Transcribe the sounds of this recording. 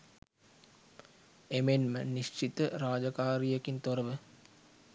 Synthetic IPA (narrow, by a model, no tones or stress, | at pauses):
emenməniʃt͡ʃit̪əɾaːd͡ʒakaːɾijəkint̪oɾəʋə